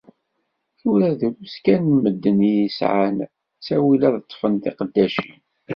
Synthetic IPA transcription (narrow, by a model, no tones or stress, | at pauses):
θʊɾæðəluskænːməd̪ːənijisʕa̰n | sæwilæðət̪ˤːfənt̪iqəd̪ːæʃḭn